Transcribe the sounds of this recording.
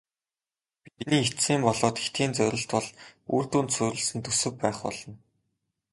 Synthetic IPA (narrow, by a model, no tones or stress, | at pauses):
piiniːet̪siːmpɔɮɔːt̪xe̥xt̪ɡiːnt͡sœɾʲɪ̆ɬt̪pɔɮuːr̥t̪uːnt̪sʊjɾʲɪ̆ɮsɘ̆nt̪ʰɵsɘ̆kpːæːχpɔ̰ɮɞ̆n